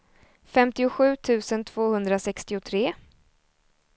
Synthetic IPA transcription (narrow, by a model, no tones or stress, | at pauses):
fɛmt̪ɪʊɧʉ̟ːt̪ʰʉ̟ːsənt̪ʰv̥oːhɵnd̪ɾasɛkst̪ɪʊt̪ʰɾeː